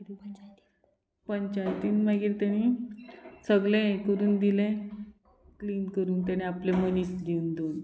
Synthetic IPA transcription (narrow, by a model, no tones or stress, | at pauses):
pəɲt͡ɕajt̪iːnmaɡiːɾt̪jaɽ̃iː | səɡlẽkəɾuːnd̪ilẽ | kliːnkəɾuːnt̪aɽ̃iaplemənisd̪iund̪on